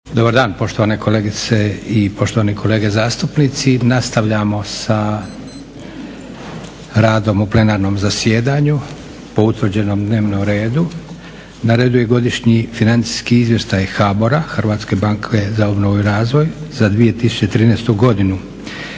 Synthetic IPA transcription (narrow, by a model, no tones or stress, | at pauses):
d̪o̞baɾd̪aːnpo̞ʃt̪oʋaːne̞kʰo̞le̞ːɡit̪seipo̞ʃt̪oʋaːnikʰo̞le̞ːɡe̞zaːst̪upnit̪sinast̪aʋʎamo̞sa | ɾaːd̪o̞muple̞naːɾno̞ːmzasje̞ːd̪aɲu | po̞ut̪ʋr̩d͡ʑe̞no̞md̪ne̞ːʋnomɾe̞ːd̪u | naɾe̞ːd̪uje̞ɡo̞d̪iʃɲifinant̪si̥skiizʋjeʃt̪ajxaːboɾaxrʋaːt̪ske̞baŋkʰezaobnoʋoiɾaːzʋo̞jzad̪ʋije̞t̪isu̥t͡ɕet̪ɾiːnɛst̪uɡo̞d̪inu